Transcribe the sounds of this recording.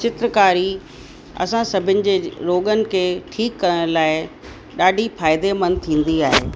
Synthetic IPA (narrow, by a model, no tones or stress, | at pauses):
t͡ɕɪt̪ɾəkaːɾi | ɐ̰sãsɐbʱɪnɪ̆d͡ʑeːɾoːɠənɪ̆kʰeːʈʰiːkːɐɾəɽ̃laːɪ | ɗaːɖʱifaːɪd̪emɐnt̪ʰĩːn̆d̪iaːɦḛː